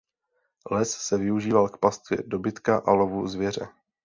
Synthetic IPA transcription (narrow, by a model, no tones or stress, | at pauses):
lɛsːɛvɪuʒiːvalkpast̪vjɛ̰do̞bɪt̪kaʔalovuzvjɛr̝ɛ̰